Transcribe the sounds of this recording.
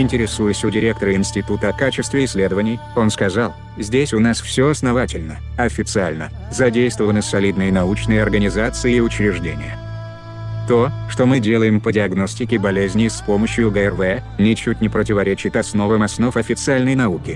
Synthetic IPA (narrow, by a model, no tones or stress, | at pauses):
ɪnʲtʲɪɾʲɪsujʊsʲʊdʲɪɾʲe̞k̚t̪əɾəɪnsʲtʲɪt̪ut̪əɐkat͡ɕɪst̪vʲɪɪsʲlʲe̞d̪əvənʲɪj | o̞nskɐzalˠ | zʲdʲesʲʊnasfsʲoɐsnɐvatʲɪlʲnə | ɐfʲɪt̪sɨalʲnə | zɐdʲejst̪vəvənəsɐlʲid̪nɨjənɐut͡ɕnɨjəɐrɡənʲɪzat̪sɨɪɪʊt͡ɕɾʲɪʐdʲenʲɪ̰jə | t̪o̞ʂt̪o̞mɨdʲelˠəjɪmpədʲɪɐɡno̞sʲtʲɪkʲɪbɐlʲezʲnʲɪspo̞məɕjʊɡəɛrvɛnʲɪt͡ɕutʲnʲɪpɾətʲɪvɐɾʲet͡ɕɪt̪ɐsno̞vəmɐsno̞fɐfʲɪt̪sɨalʲnəjnɐukʲɪ